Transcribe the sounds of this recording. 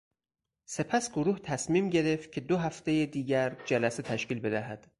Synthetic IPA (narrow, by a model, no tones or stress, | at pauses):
se̞pʰæsɡoɾuːht̪ʰæsmiːmɟe̞ɾe̞f̚cʲʰe̞d̪oɦæft̪e̞jed̪iːɟæɾd͡ʒælæse̞t̪ʰæʃciːlbe̞d̪æɦæd̪̥